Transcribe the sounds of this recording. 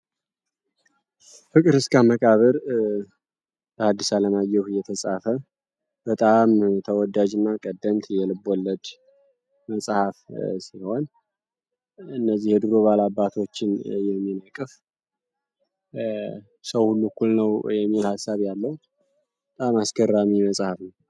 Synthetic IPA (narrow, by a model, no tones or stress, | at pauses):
fɨkʼɨɾhɨskʰaməkʼaβəɾ | b̥əhad̪ːisaləmajɛwhɨjɛt̪ʰəsʼafə | b̥ət̪ʼamt̪ʰəwɔd̪ad͡ʒɨnːakʼəd̪ːəmt̪ʰjɛlɨbɔlːəd̪ | məsʼhafsiho̞n | ɨnːəzːihjɛd̪ɨɾoβalabːat̪ʰo̞t͡ʃːɪnjɛmːinəkʼɨf | səwhulːukʰːulnəwjɛmːilhasːaβjalːəhu | bət̪ʼamaskərːamiməsʼhafnəw